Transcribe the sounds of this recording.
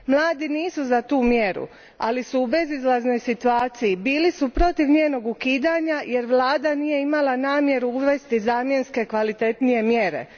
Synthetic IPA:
mlˠaːd̪iniːsuzat̪uːmje̞ɾṵ | a̰lisuːbe̞zizlˠazno̞jsit̪uaːt̪sijibiːlisupɾo̞t̪iʋɲeːno̞ɡukiːd̪aːɲaje̞ɾʋlˠaːd̪aniːje̞imalanaːmje̞ɾuuʋe̞st̪izaːmje̞nske̞kʋalit̪e̞t̪nije̞mjeɾe̞̰

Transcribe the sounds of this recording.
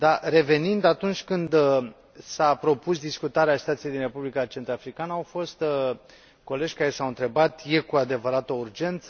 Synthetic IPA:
d̪are̞ve̞nind̪at̪unt͡ʃʲkɨnd̪ | sapɾo̞pusd̪iskut̪aɾeaːsi̥t̪at̪sijejd̪inre̞publikat͡ʃe̞nt̪ɾafɾikanəawfo̞st̪ | ko̞le̞d͡ʒʲkaɾe̞sawɨnt̪ɾe̞bat̪je̞kuad̪e̞vəɾat̪əurd͡ʒe̞nt̪sə

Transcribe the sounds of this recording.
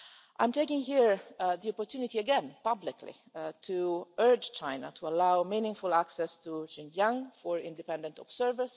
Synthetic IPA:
ʔãɪ̃mteɪkɪ̃ŋhiɹðiɔpɔɹtʰunɪtiəɡɛ̃npʌblɪkʰlḭtʰuʔɜ˞d͡ʒt͡ʃʰãɪ̃na̰tʰuəlaʊmĩnɪ̃ŋfʊlˠaksɛstuʃɪ̃nd͡ʒãŋfɔɹɪ̰̃ndɨpɛ̃ndə̃ntɔ̰bsɛɹvə˞z̥

